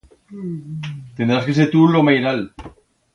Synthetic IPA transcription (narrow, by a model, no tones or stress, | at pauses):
t̪end̪ɾaskeseɾt̪ulomajɾal